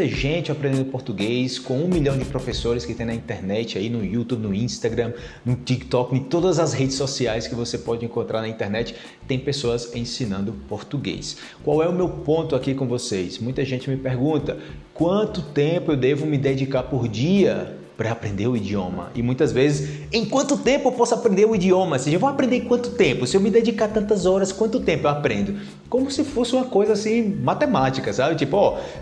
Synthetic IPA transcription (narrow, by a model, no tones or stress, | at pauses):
t̪ɐʒẽt͡ʃɪapɾẽd̪ẽd̪ʊpoɾt̪uɡejskõũmiʎɐ̃w̃d͡ʒɪpɾofesoɾɪskɪt̪ẽj̃nɐĩnt̪ɛɾnɛt͡ʃɪainʊjut̪ubnʊĩst̪aɡɾɐ̃ | nʊt͡ʃikt̪ɔknɪ̃t̪od̪ɐzɐzhed͡ʒɪsosiajskɪvosepɔd͡ʒɪẽŋkõnt̪ɾaɾnɐĩnt̪ɛɾnɛt͡ʃɪ̥ | t̪ẽj̃pesoɐzẽsĩnɐ̃nd̪ʊpoɾt̪uɡḛjs | kwawɛʊmewpõnt̪ʊakikõvosesmũj̃t̪ɐʒẽnt͡ʃɪmɪpeɾɡũt̪ɐ | kwɐ̃t̪ʊt̪ẽpʊewd̪evʊmɪd̪ed͡ʒikaɾpoɾd͡ʒiɐ | pɾɐapɾẽnd̪eɾʊid͡ʒiõ̰mɐ̰ʔɪ̰mũj̃t̪ɐzvezɪsẽj̃kwɐ̃nt̪ʊt̪ẽpʊewpɔsʊapɾẽnd̪eɾʊid͡ʒiõmɐseʒɐevowapɾẽnd̪ẽkwɐ̃nt̪ʊt̪ẽpʊsɪewmɪd̪ed͡ʒikaɾt̪ɐ̃nt̪ɐzɔɾɐskwɐ̃nt̪ʊt̪ẽpʊewapɾẽnd̪ʊ | kõmʊsɪfosɪũmɐkojzɐasĩmat̪emat͡ʃikɐsabɪt͡ʃipʊɔ